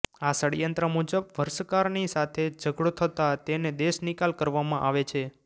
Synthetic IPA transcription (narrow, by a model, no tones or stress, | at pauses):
asəɽijənt̪ɾəmud͡ʒəbʋəɾsəkaɾnisat̪ʰed͡ʒəɡɽot̪ʰət̪at̪ened̪eʃnikalkəɾʋamãʔaʋet͡ʃʰe